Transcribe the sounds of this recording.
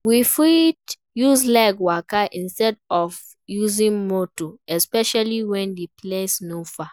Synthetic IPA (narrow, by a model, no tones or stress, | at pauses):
wifid | juzlakwakaʔĩnstɛdɔv | juzĩŋmotoɛspɛʃaliwɛ̃ndipʰlesnofa